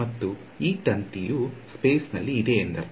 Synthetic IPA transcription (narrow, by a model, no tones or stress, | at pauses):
ɐt̪ːu | iːʈɐnt̪ijuspe̞ːsnɐ̰lːiːd̪eːnd̪ɐɾ